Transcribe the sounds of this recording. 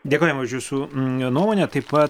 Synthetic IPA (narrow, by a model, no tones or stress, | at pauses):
d̪ʲeɛkoːjɛmʊʃjuːsuːnuɔmoːnʲɛt̪ɐɪpɐt